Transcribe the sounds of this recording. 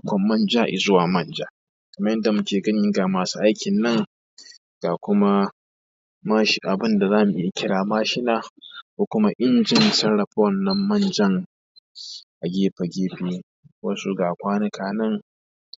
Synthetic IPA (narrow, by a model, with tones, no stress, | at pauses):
kʷɔ˨mːɐ˦nd͡ʒaː˦ʔɪ̰˨zʊ˦waː˨mɐ˦nd͡ʒaː˦ | kɐ˨mɐ˦jɛ˦nda˨mʊ˦kʲeː˨ɡɐ˦ɲ˦ɪ˦ŋɡa˨maː˨su˦ʔa˦jkʲɪ˨nːɐ˦ŋ | ɡ̥a˨kʷʊ˦ma˦ | ma˦ʃʔa˨bɪ˦nda˨zaː˦mu˨ʔɪ˦ja˨kʲɪ˦ɽaː˨maː˦ʃɪ˦naː˦kʷoː˨kʷʊ˦ma˦ʔɪ˦nd͡ʒɪ˨ntɐ˦ɽɐ˨ɸɔ˦nːɐ˦mːɐ˦nd͡ʒɐ˦ŋ | ʔa˨ɡʲeː˦ɸɐ˨ɡʲeː˦ɸeː˦ | wɐ˦su˦ɡaː˨kʷaː˦nɐ˦kʰaː˨nɐ˦ŋ